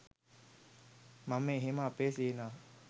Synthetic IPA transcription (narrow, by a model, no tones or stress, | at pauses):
mamẽɦemãpesena